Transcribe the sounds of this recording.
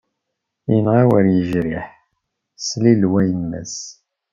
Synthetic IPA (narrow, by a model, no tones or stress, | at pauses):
inʁawəɾjəʒɾiħ | slilwæjəmːæ̰s